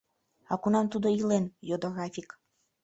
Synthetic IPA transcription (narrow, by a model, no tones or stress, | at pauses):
ɑkunɑmt̪ud̪oilenjod̪oɣɾɑfʲik